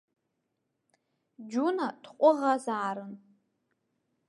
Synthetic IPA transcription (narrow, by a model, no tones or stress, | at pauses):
d͡ʒunatʰqʷʼʊʁazaːɾɨn